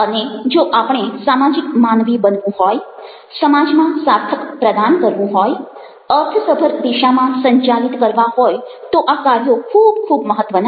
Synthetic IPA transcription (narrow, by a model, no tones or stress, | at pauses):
əned͡ʒoʔapəɳ̃esamad͡ʒikmanʋibənʋũɦoj | səmad͡ʒmãsaɾt̪ʰəkpɾəd̪ankəɾʋũɦoj | əɾt̪ʰəsəbʱəɾd̪iʃamãsəɲt͡ʃalit̪kəɾʋaɦoj | t̪oʔakaɾjokʰubkʰubməɦət̪ːʋən